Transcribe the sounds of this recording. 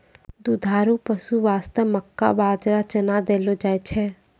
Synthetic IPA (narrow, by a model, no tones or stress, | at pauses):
d̪ud̪ʱaːɾupəsuʋaːst̪əʋməkːa̰baːd͡ʒɾat͡ʃənad̪eːlod͡ʒaːet͡ʃʰɛ